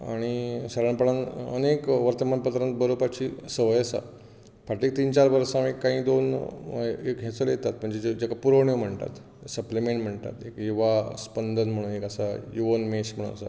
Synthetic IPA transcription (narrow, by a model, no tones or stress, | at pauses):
a̰ɽ̃isəɾaɳpəɭãnə̰nekʋəɾt̪əmanpət̪ɾənt̪bəɾobat͡ɕisəʋəjəsa̰ | pʰaʈiːk̚t̪iːnt͡ɕaɾʋəɾsãmekːãɦĩːd̪on | ekɦẽt͡səljet̪at̪m̤əɳd͡ʑed͡ʑed͡ʑakapuɾoɳjom̤əɳt̪a̰t̪ | səplimeɳʈm̤əɳt̪a̰t̪ekiʋaspənd̪ʱənm̤əɽ̃uːnekəsajuʋənmeɕm̤əɽṵːna̰sa̰